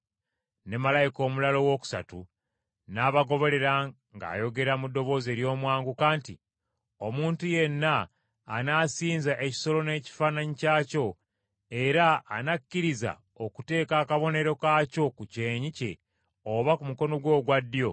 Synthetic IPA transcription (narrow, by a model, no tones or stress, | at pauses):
ne̞malajiko̞ːmulalo̞wo̞ːku̥sa̰tṵ | naːβaɡo̞βo̞le̞ɾa | ŋɡa̰ːjo̞ɡe̞ɾamudːo̞βo̞ːze̞ːɾjo̞ːmwaːŋɡukaːntḭ | omuːntuje̞nːaː | naːsiːnzaʔeci̥so̞lo̞ne̞ːci̥fanaɲicaːco̞ | e̞ɾaːnakːiɾiza̰ | okute̞ːkaːkaβo̞ne̞ɾo̞kaco̞kuce̞ːɲice̞̰ | oβakumuko̞no̞ɡwo̞ːɡwadːjo̞